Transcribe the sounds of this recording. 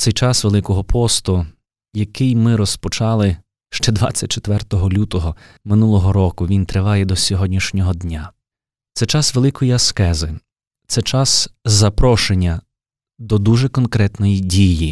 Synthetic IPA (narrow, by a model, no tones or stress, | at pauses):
t̪sɛjt͡ʃɑsʋelˠɪkɔɦɔpʰɔst̪ʊ | jɐkɪjmɪɾɔspɔt͡ʃɑlˠɪ | ʃt͡ʃɛd̪ʋɑ̰t͡sʲːɐt̚ʲt͡ʃet̪ʋɛrt̪ɔɦɔlʲut̪ɔɦɔ | mɪnulˠɔɦɔɾɔkʊʋʲint̪ɾɪʋɑjɛd̪ɔsʲɔɦɔdʲnʲiʃnʲɔɦɔd̪nʲa | t̪sɛt͡ʃɑsʋelˠɪkɔjiɐskɛzɪ | t̪sɛt͡ʃɑszɐpɾɔʃenʲːɐ | d̪ɔd̪uʒɛkɔnkɾɛt̪nɔjidʲiji